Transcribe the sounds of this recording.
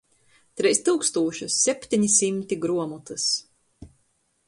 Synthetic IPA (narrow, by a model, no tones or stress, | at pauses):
t̪ɾɛjst̪uwkst̪uːɔʃusːɛpʲt̪iɲisimt̪iɡɾuɔmut̪ɨs